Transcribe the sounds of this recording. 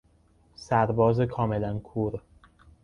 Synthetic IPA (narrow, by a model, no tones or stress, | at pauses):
sæɾbɒːzekʰɒːme̞lænkʰuːɾ